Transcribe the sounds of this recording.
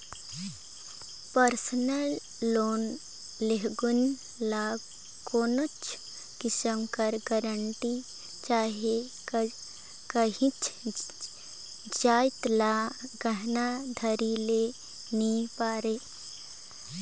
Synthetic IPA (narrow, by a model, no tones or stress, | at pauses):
pəɾsənəlː | oːn | leɦɡʊn | laɡ | koːnot͡ʃ | kɪsəmkəɾɡəɾəɳʈi | t͡ʃaːɦie | kəɦĩt͡ʃ | d͡ʒaːɪt̪laɡəɦnad̪ʱəɾile | nĩpaːɾeː